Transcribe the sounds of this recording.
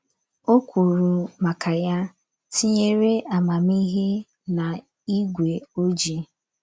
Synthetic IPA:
o˦kʷu˨ɾu˨ma˨kʰa˨ja˦ | ti˦ɲe˦ɾe˦ʔa˨ma˨mi˦ɦe˦ | na˨ | i˦ɡʷe˨o˦d͡ʒi˦

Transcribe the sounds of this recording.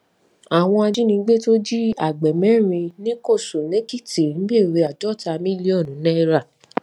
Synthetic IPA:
a˨w̃ɔ̃˧a˧d͡ʒi˦nĩ˧˦ɡ͡be˦to˦d͡ʒi˦a˨ɡ͡bɛ˨mɛ̃˨˦ɾ̃ĩ˧nĩ˦ko˦˨so˨nẽ˦ki˦˨ti˨n˨ĩ˨˦be˦˨ɾe˧a˨d͡ʒɔ˦˨ta˧mĩ˦li˦ɔ˦˨nũ˨˦nɛ˦ɾa˦˨

